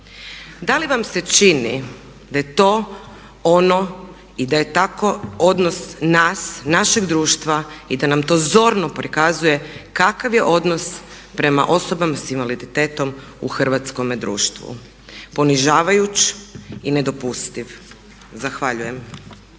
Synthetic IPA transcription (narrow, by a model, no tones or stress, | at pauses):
d̪aliʋamset͡ʃinḭ | d̪aje̞t̪oː | ono̞ | id̪aje̞t̪ako̞od̪no̞snasnaʃeɡd̪ɾuːʃt̪ʋaid̪anamt̪o̞ːzo̞ɾnopɾikazuje̞kakaʋje̞ʔo̞d̪no̞s | pɾe̞ma̰ʔo̞so̞bamasinʋalid̪it̪eːt̪o̞m | ṵxr̩ʋat̪sko̞med̪ɾṵːʃt̪ʋṵ | po̞niʒaːʋajut͡ʃine̞d̪o̞pust̪iʋ | zaxʋaʎuje̞m